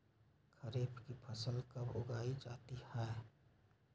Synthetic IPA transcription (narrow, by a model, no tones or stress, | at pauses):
kʰəɾeːpʰkipʰəsəlkabʱoɡaːid͡ʒa̰ːt̪ihɛ